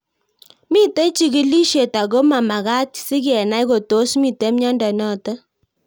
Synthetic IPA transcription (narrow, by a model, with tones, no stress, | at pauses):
mi˦te˦t͡ʃi˦ki˦li˦ʃe˨ta˨ɡo˦ma˨ma˨ɣa˦tsɪ˦kɛ˨na˦i˦ko˨to˨˦smi˦˨te˨˦m˦ɲɔ˦ndɛ˨nɔ˦˨ta˦